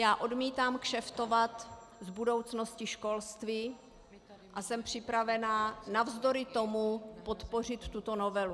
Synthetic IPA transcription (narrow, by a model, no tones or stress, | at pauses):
jaːʔo̞dmiːt̪aːmkʃɛft̪o̞vat̪ | zbudo̞wt͡sno̞scɪʃko̞lst̪viː | ʔasɛmpr̝̥ɪpɾavɛnanavzd̪o̞ɾɪt̪o̞mupo̞t̪po̞r̝ɪt̪ːut̪o̞no̞vɛlu